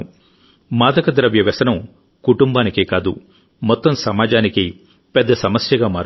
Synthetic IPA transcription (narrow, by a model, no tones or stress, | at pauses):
maːd̪ɐkɐd̪ɾɐʋjɐʋɐsɐnɐm | kuʈumbaːnikeːkaːd̪ṵ | mɔt̪ːɐmsɐmaːd͡ʒaːniki | pɛd̪ːɐsɐmɐsjɐɡaːmaːɾ